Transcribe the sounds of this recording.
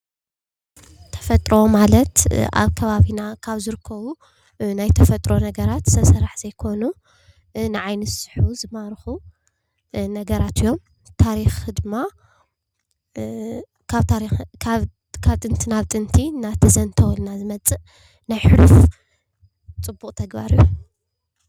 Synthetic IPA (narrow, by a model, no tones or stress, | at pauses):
t̪ʰɐ̥fɐt̪ʼɾo̞malɐt̪ʔa̰βkʰɐβaβinakʰaβzɨɾɨkʰːɐβu | najt̪ʰɐfɐt̪ʼɾo̞nɐɡɐɾat̪sɐβsɐɾaħz̥ɐjkʰo̞nu | nɨʕajnɨsɨ̥ħuzɨmaɾxu | nɐɡɐɾat̪ʰɨjːom | t̪ʰaɾixd̪ɨmːa | kʰaβt̪ʰaɾikʰaβ | kʰaβt̪ʼɨnt̪ʰinaβt̪ʼɨnt̪ʰinat̪ʰɐzɐnt̪ʰɐwɔlnazɨmɐt͡sʼɨʔ | najħɨluf | t͡sʼɨbːukʼt̪ʰɐɡba̰ɾiju